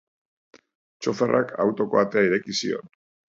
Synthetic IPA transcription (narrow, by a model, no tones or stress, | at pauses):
t͡ʃo̞ferʔakʰawt̪o̞ko̞at̪eaiɾe̞kisio̞̰n